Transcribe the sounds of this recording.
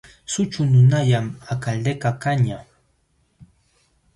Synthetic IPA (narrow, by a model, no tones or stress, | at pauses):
sʊt͡ʃʊnʊnaʎamakald̪ekakaɲa